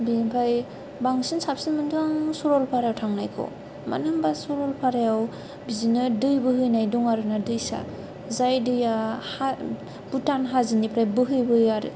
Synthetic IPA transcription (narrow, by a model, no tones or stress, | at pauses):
binipʰaj | baŋsinsap̚sinmɯnduaŋsuɾɔlpʰaɾjawtʰaŋnajkʰɔ̰ | ma̰nɯmbasuɾɔlpʰaɾajaw | bizinɯdɯjbɯɦɯjnajdɔŋaɾɯnadɯjsa̰ | zajdɯjaha | b̥utanɦazinipʰɾajbɯɦɯjbɯaɾɯ̰